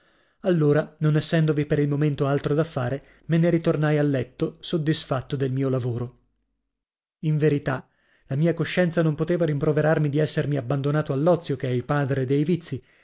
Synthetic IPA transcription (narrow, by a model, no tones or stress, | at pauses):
alːoːɾanonɛsːɛnd̪ovipeɾilmoment̪oalt̪ɾod̪afːaːɾe | meneɾit̪ornajalːɛt̪ːosod̪ːisfat̪ːod̪elmiːolavoːɾo | iɱveɾit̪a | lamiːakoʃːɛnt̪sanompot̪eːvaɾimpɾoveɾarmid̪iɛsːermiabːand̪onaːt̪oalːɔt̪sːjokeɛilpaːd̪ɾed̪ejvit̪sːi